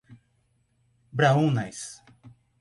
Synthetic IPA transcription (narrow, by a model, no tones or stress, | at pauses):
bɾaũnajs